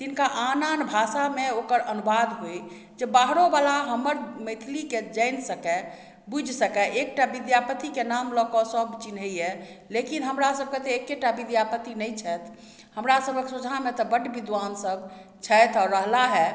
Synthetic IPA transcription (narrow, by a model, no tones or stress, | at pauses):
t̪inkaʔananbʱasameokəɾənubad̪ɦoj | d͡ʒebaɦɾobalaɦəməɾməjt̪ʰliked͡ʒəɪnsəkɛ | bud͡ʒʱsəkɛʔek̚ʈabid̪japət̪ikenamlɔkɔsəbt͡ʃinɦəiɛ | lekinɦəmɾasəb̚ket̪eekːeʈabid̪japət̪inɛjt͡ʃʰɛt̪ʰ | həmɾasəbʱəksud͡ʒʱamet̪ɔbəɖbid̪ʋansəbt͡ʃʰɛjt̪ʰɔːɾːəɦlaɦɛ